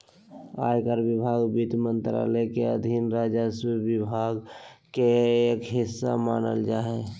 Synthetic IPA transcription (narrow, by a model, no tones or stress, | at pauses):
a̰ːjkəɾbɪbʱaːɡbit̪mənt̪ɾa̰ləkeəd̪ʱinɾaːd͡ʒəswibɪbʱaːɡkeeːkɦɪsːa̰maːnə̰ld͡ʒaːɦɛ